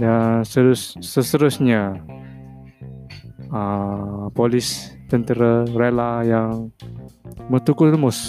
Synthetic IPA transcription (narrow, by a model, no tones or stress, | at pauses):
dansəɾʊsːəst̪əɾʊsɲa | əpolɪst̪ənt̪əɾərelajaŋ | mət̪ukʊlmʊs